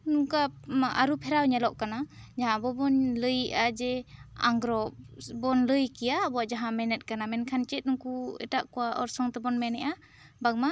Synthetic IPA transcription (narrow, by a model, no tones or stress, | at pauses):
nukaa̰ɾupʰɛɾawɲɛlɔʔkanad͡ʒaɦãbɔbɔnlɯjad͡ʒɛa̰ŋɡɾɔbɔnlɯjkijaːbɔad͡ʒaɦãmɛnɛt̚kanamɛnkʰant͡ʃɛt̚nuŋkuɛ̰taʔkɔwaʔɔ̰ɾsɔŋtɛbɔnmɛnɛʔa | baɡ̚ma